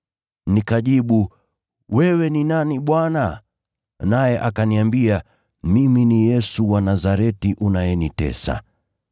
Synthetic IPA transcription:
nikaʄiɓu | wɛwɛninaniɓwana | najɛʔakaniambia | miminijɛsuwanazaɾɛtiʔunajɛnitɛ̰sa̰

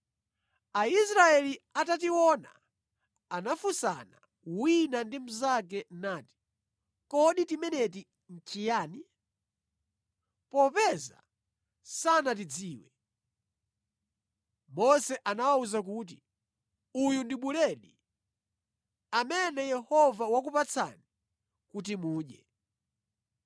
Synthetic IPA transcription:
ais̬ɾaɛliatat̬iwɔna̰ | anafusa̰na | winandim̩zak̬ɛnaːti̥ | kɔɗitimɛnɛti | n̩t͡ʃijaːni | pɔpɛza̰ | sanat̬id͡ziːwɛ | mɔsɛʔanawauzak̬uːt̬i | ujundiɓulɛɗi | amɛnɛjɛhɔvawak̬upat͡sʰa̰ni | kutimuːɗɛ

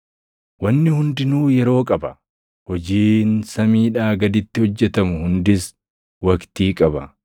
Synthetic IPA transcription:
wɐnːɪhʊnd̪ɪnuːjɛɾo̞ːkʼɐbɐ | hɔd͡ʒiːnsɐmiːᶑaːɡɐd̪ɪt̪ːɪhɔd͡ʒːɛt̪ɐmʊhʊnd̪ɪs | wɐkt̪iːkʼɐbɐ

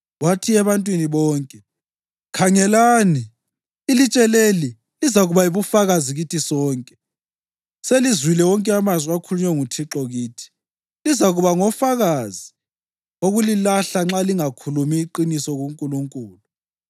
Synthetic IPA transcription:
watʰiɛβantʼwiniβɔːŋkʼɛ | kʰaŋɛlaːniː | lit͡ʃʼɛleli | lizaɣuβaiβufaɣaziɣitʰisɔːŋkʼɛ̥ | selizwilɛwɔŋkʼɛamazwiakʰuluɲɛŋutʰiǁɔɣiːtʰi̥ | lizaɣuβaŋɔfaɣazi | oɣulilaɬaŋ͡ǁaliŋakʰulumiːǃinisɔɣuŋkʼuluŋkʼuːlu

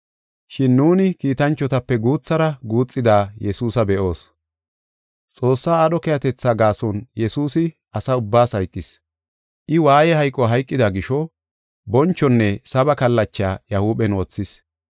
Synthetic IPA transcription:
ʃɪnːuːnɪkiːt̪ɐnt͡ʃːɔt̪ɐpːɛɡuːt͡sːɐɾɐɡuːt͡sʼːɪd̪aːjɛsuːsɐbɛʔo̞ːs | t͡sʼo̞ːsːaːɐɗɔkɛjɐt̪ɛt͡sːaːɡaːsɔnjɛsuːsɪ | ʔɐsɐʊbːaːsɐjkʼːɪs | ʔɪwaːjɛhɐjkʼːɔɦɐjkʼːɪd̪ɐɡɪʃɔ | bɔnt͡ʃːɔnːɛsɐbɐkɐlːɐt͡ʃːaːjɐhuːbɛnwɔt͡sːɪs

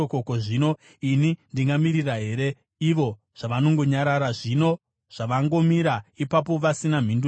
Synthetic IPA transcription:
okokoʐino̞ | inindiŋɡamiriraɦe̞ːɾe̞ | iʋo̞ | ʐ̥aʋano̞ŋɡo̞ɲaɾaɾaʐino̞ | ʐ̥aʋaŋɡo̞miɾaipap̬o̞ʋasinam̤indu

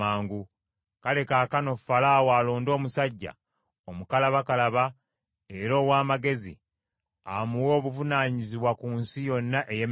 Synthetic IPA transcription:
aːŋɡu | kale̞kaːkano̞falaːwalo̞ːndo̞ːmusaɟːa̰ | omukalaβakalaβa | e̞ɾo̞ːwaːmaɡe̞zḭ | amuwo̞ːβuvunaːɲiziβwakuːnsijo̞nːaʔejem

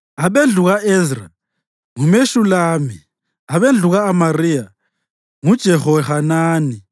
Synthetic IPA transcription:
aɓend͡ɮʱuɣaʔɛzra̰ | ŋumeʃulaːmi | aβend͡ɮʱuɣaːmarija | ŋud̥ʒ̥ʱɛxɔɛhanaːni

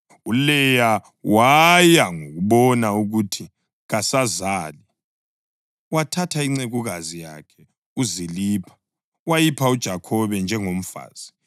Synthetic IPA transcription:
ulɛja | wajaŋoɣuɓɔnauɣutʰi | ɣasazaːli | watʰatʰaiŋ͡ǀeɣuɣazija̰kʰɛ | uziliːpʰḁ | wajipʰaud̥ʒ̥ʱakʰɔβɛnd͡ʒʱɛŋom̩fa̰ːz̥i

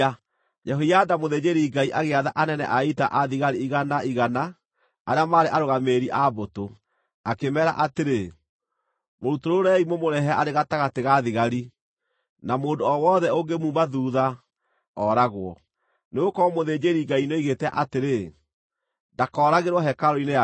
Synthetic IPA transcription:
d͡ʒɛɦojadamoðed͡ʒeɾiɡaiʔaɣeaðaʔanɛnɛ̰ʔaita̰ʔaðiɣaɾiiɣanaiɣana | aɾeamaːɾeʔaɾoɣameːɾiʔaboto | akemɛɾa̰ʔateɾe | moɾutoɾoɾɛimomoɾɛɦɛaʔaɾeɣataɣateɣaðiɣaɾi | namoːndoɔwɔðɛoŋɡemuːmbaðuːða | ɔɾaɣwɔ | neokɔmoðeːd͡ʒeɾiɡainoiɣetɛʔateɾe | ndakɔːɾaɣeɾwɔɦɛkaɾɔinea

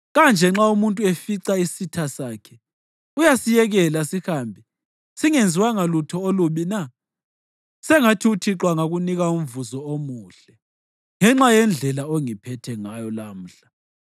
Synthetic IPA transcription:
ɣand͡ʒʱɛŋ͡ǁaumuntʼuefiǀaisitʰasaːkʰɛ | ujasijɛɣɛlasihaːmbʱi | siŋend͡zʱiwaŋalutʰɔoluβina | sɛŋatʰiutʰiǁwaŋaɣuniɣaum̩vuzɔomuːɬɛ | ŋɛŋ͡ǁajɛnd͡ɮʱɛlaoŋipʰɛtʰɛŋajɔlam̩ːɬa

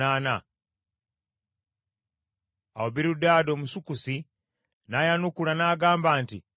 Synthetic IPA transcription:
aːna | awoβiɾudaːdoːmusukusi | najanukulanaːɡaːmbaːntḭ

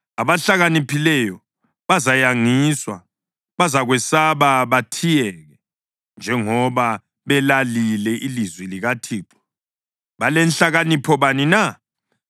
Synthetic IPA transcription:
aβaɬaɣanipʰilɛjɔ | βazajaŋiswa | βazaɣwɛsaβaβatʰijɛɣɛ | nd͡ʒʱɛŋɔβa | βɛlalilɛʔilizwiliɣatʰiːǃɔ̥ | βalɛnɬaɣanipʰɔβanina

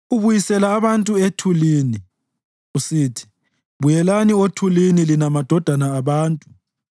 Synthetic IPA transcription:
uβujisɛlaːβantʼuetʰuliːni | usitʰi̥ | βujɛlaniotʰulinilinamad̥ʱɔd̥ʱanaːβaːntʼu

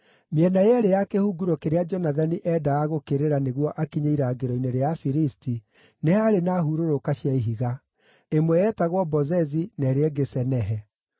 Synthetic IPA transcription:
mjɛnajɛɾejakehuɡuɾokeɾead͡ʒɔnaðaniʔɛdaːɣokeɾeɾaneɣwɔʔakiɲaiɾaɡeɾɔineɾeafiɾisti | nehaɾenaɦuɾoɾokaɕjaiɦiɣa | emwɛjɛtaɣwɔbɔzɛzinɛɾeɛɡesɛnɛɦɛ

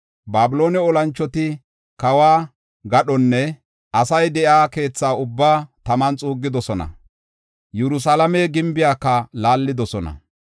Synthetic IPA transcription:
baːbɪlo̞ːnɛɔlɐnt͡ʃːɔt̪ɪ | kɐwaː | ɡɐɗɔnːɛ | ʔɐsɐjd̪ɛʔjaːke̞ːt͡sːaːʊbːaːt̪ɐmɐnt͡sʼuːɡːɪd̪ɔsɔnɐ̰ | jɛɾʊs̬alɐmɛɡɪmbɪjaːkːɐlaːlːɪd̪ɔsɔnɐ̰

